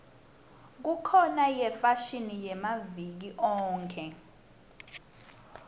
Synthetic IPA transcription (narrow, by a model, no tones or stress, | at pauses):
k̬ukʰɔnajɛfaʃinijɛmavik̬iʔɔːŋkʰɛ